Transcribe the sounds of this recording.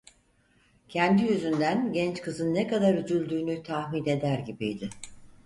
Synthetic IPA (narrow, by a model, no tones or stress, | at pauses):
cʰɛnd̪ijyzynd̪ænɟɛnt͡ʃkʰɯzɯnːekad̪aɾyd͡ʒ̪ylʲd̪yːnyt̪ʰahmine̞d̪æɾɟibijd̪ɪ